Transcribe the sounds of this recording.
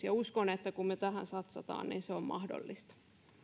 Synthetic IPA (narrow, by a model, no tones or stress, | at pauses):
jɑuskonet̪ːækummet̪æhæ̰nsɑt̪sɑt̪ɑ̰ːnnḭːnseommɑ̰hdo̰lːist̪ɑ̥